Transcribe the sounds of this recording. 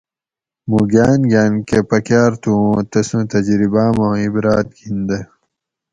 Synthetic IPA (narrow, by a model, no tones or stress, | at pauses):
muɡaːnɡʲaːnkepɐkjaːɾt̪ũːt̪ɐsũt̪ɐd͡ʑɾibaːmãːibɾaːt̪̚ɡind̪ɐ